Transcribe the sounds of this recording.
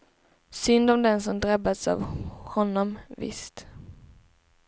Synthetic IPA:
sʏnd̪ɔmd̪ɛnsɔmd̪ɾabːad̪sa̰vhɔnːɔmvɪ̰st̪

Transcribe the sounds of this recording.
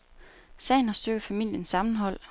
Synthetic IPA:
sɛ̰ɪn̩hɑ̈sd̥øɡ̥ð̩ˠfæmil̰jənsɑ̈mn̩ɦɒ̽l̰

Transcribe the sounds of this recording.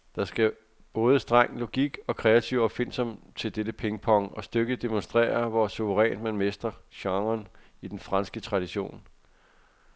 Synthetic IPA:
d̥ɑ̈sɡ̥æ | b̥ɔ̽ːð̞ˠəsd̥ʁɑ̈ŋ̰lo̝ɡ̥iɡ̥ɒ̽kʰʁɛːæt͡sʰiʊɒ̽b̥fe̝n̰sɒm | t͡sʰe̝ld̥edəpʰeŋəpʰɒ̽ŋʔɒ̽sd̥øɡ̥əðd̥e̝monsd̥ʁɛ̰ːɐʋɒsuʋəʁɛ̰ːn̥mænmesd̥ɐɕɑ̈ŋɐnid̥enfʁɑ̈nsɡ̥ət͡sʰʁɑ̈d̥iɕo̝̰ːn

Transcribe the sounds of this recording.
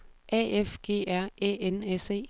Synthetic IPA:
ʔɛ̰efɡ̥e̝̰ːæɐ̰eːenese̝̰ː

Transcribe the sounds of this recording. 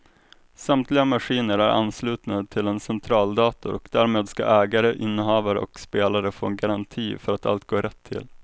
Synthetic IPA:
samt̪lɪɡamaɧiːnəɾæɾʔa̰nːslʉ̟ːt̪nat̪ʰɪlɛnsɛnt̪ʰɾɑːld̪ɑːt̪ʊɾɔkd̪æːɾmeːd̪ska̰ʔɛːɡaɾəʔɪnːəɦɑːvaɾɔ̰kspeːlaɾəfo̰ːɛnɡaɾant̪ʰiːfœɾat̪a̰lt̪̚ɡoːɾɛt̪ʰːɪ̰l

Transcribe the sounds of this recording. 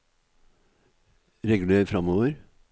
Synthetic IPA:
ɾɛɡʉl̩eːɾfɾɑmoːʋəɾ

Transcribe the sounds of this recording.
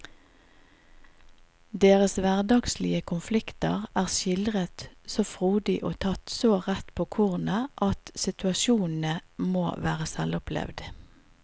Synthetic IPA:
d̪eːʁəsʋæʁd̪ɑɡslɪəkʰʊnflɪkt̪ə̰ʁæːʁʃɪld̪ʁət̪soːfʁuːd̪ɪʔoːt̪ʰɑt̪soːʁɛt̪pʰoːkʰʊʁnəʔɑt̪sɪt̪ʉɑʃuːnn̩əmoːʋæːʁəsɛlɔpʰlɛ̰ʋd̪

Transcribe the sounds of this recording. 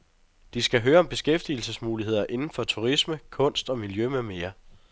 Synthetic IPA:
d̥isɡ̥æɦøːɐɒ̽mb̥e̝sɡ̥efd̥iːl̩səsmuːliɦe̝ð̞̰ˠɐʔe̝nn̩fɒ̽t͡sʰuʁisməkʰɔ̽n̰sd̥ɒ̽miljømeme̝ːɐ

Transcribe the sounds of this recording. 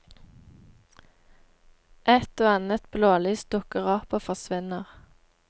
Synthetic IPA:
ʔɛt̪oːɑnət̪bloːlyːst̪̚d̪ʊkəʁɑːpəfɔʁsʋɪnəʁ

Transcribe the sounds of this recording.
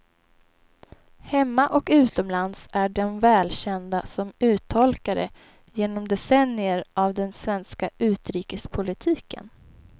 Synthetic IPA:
hɛmːaʔɔkʉ̟ːt̪ɔmlansæɖɛnvɛːlɕɛnd̪asɔmʉ̟ːt̪ʰːɔlkaɾə̰ | jeːnɔmd̪ɛsɛnːɪəɾʔavd̪ɛnsvɛnskaʔʉ̟ːt̪ɾiːkəspʰʊlɪt̪ʰiːkə̰n

